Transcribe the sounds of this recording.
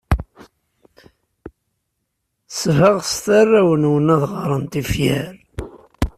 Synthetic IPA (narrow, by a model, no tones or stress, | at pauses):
svəʁst̪ærːæwənwənæðʁəɾˤənt̪ifjæɾ